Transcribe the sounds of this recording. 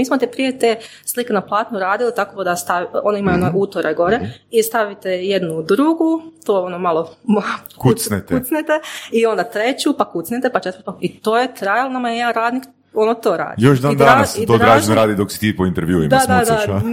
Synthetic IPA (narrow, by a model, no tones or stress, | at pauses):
miːsmot̪epɾijet̪eː | slˠikenaplˠaːt̪nuɾaːd̪ilit̪akod̪ast̪aʋonaimajonoʔuːt̪oɾeɡo̞ɾeist̪aʋit̪ejed̪nud̪ɾuɡut̪oːonomalˠomkusnet̪ut̪snet̪eio̞nd̪at̪ɾe̞t͡ɕupakut̪snet̪epat͡ʃet̪əɾt̪pakit̪oːjet̪ɾajalnamajejeaɾaːd̪nik | o̞not̪oːɾa̰ːd̪joʃd̪aːnd̪aanasid̪oɾd̪ɾaːʒenoɾaːd̪id̪oksi̥t̪iːpoint̪eɾʋjuːḭmd̪ad̪ad̪a